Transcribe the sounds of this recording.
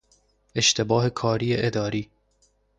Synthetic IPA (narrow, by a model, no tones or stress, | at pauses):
e̞ʃt̪ʰe̞bɒːhe̞kʰɒːɾiːeʔed̪ɒːɾiː